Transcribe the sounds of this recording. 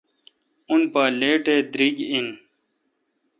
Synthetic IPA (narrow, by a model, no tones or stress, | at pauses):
unpaːleːʈeːd̪ɾiɡin